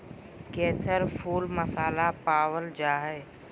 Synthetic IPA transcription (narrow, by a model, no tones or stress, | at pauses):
kɛːsəɾpʰuːlməsaːlapaːʋəld͡ʒaːɦɛː